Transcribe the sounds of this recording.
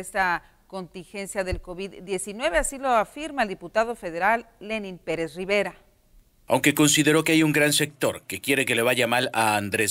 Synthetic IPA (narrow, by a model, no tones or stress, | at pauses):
est̪a | ko̞nt̪inxe̞nsjaðe̞lko̞βiðːje̞sinwe̞βe̞asilo̞afiɾmaeld̪iput̪aðo̞fe̞ðe̞ɾalːenĩnpeɾe̞sriβe̞ɾa | a̰wŋke̞ko̞nsiðe̞ɾo̞keajuŋɡɾanse̞k̚t̪o̞ɾke̞kje̞ɾe̞k̬e̞le̞βaʝamalaːnd̪ɾe